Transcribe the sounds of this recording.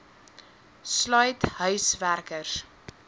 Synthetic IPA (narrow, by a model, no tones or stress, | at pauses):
slœjtɦœɥsværkərs